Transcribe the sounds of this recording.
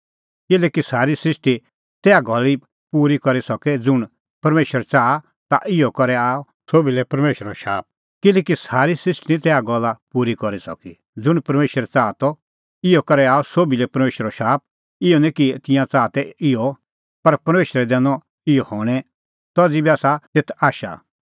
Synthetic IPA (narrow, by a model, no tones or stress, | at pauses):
kɪlɛːkisaːɾisɾɪʂʈi | t̪ɛːaɡʱɔli | puːɾikɔɾisɔkɛd͡zʊɽ̃ | pɐɾmeːʃəɾt͡saːa | t̪a̰ʔɪjɔkɔɾɛaːɔ | soːbilɛpɐɾmeːʃɾɔʃa̰ːp̚ | kɪlɛːkisaːɾisɾɪsʈnit̪ɛːaɡɔlːapuːɾikɔɾisɔ̰ki | d͡zʊɽ̃pɐɾmeːʃəɾɛt͡saːt̪ɔ | ɪjɔkɐɾɛaːɔsoːbilɛpɐɾmeːʃɾɔʃaːp̚ | ɪjɔnɛ̃kit̪ɪ̃jãt͡saːt̪ɛɪjɔ | pɐɾpɐɾmeːʃɾɛd̪ɛ̃ːnɔ | ɪjɔhɔːɽ̃ɛ | t̪ɔd͡zibiaːsat̪et̪ʰaːʃa̰